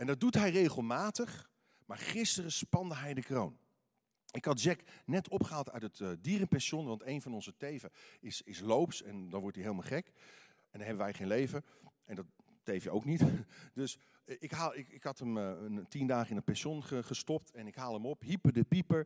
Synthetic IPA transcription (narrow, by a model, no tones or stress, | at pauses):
ɛndɑd̚dutɦɛjrejχəlˠmaːtəχ | maːɹχɪstərəspɑndəɦɛjdəkrown | ɪkɦɑtd͡ʒɛknɛtʰɔpχəɦaːlˠtœɥtətdiːrənpɛnʃɔnʋɑntejnvɑnɔnzətejvəɪsɪslowpsɛndɑnʋɔɹtiɦeɪjlˠmalˠχɛk | ɛndɑnɦɛbəʋɛjχejnlejvə | ʔɛndɑt | tejfjəowknitd̥øs | ɪkɦaːlˠɪkɪkɦɑtəmtindaːχəɪnət̚pɛnʃɔnχəχəstɔp̚tɛnɪkɦaːlˠəmɔpɦipədəpipəɹ